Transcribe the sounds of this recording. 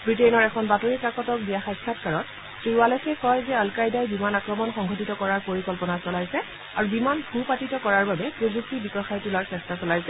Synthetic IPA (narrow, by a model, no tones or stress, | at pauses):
b̥ɹitejnɔɹɛkʰɔnbatoɹikakɔtɔk̚bijaxajkʰjatkaɹɔt | tiɹalɔsɛkɔjzɛəlkajdajbimanakɹɔmɔnxɔŋɡʱɔtitɔkɔɹaɹpoɹikɔlpɔnasɔlajsɛ | a̰ɹubimanbʱupatitɔkɔɹaɹbabɛpɹozuktibikɹɔxajtulaɹsɛstasɔlajsɛ